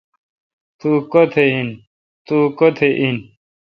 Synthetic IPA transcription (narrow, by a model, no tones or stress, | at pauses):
t̪ukot̪ʰein | t̪uːkot̪ʰeʔin